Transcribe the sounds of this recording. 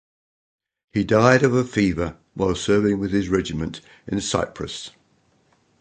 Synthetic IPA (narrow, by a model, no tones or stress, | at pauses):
hidaɪɾəvəfiːvə | waɪlˠsɜːvɪ̃ŋwɪð̥ɪzɹɛd͡ʒɪmə̃nt | ɪ̃nəsa̰ɪpʰɹə̰s